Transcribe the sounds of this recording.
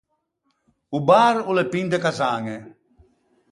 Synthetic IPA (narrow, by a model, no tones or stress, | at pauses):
ubaːɾulepind̪ekasaːŋe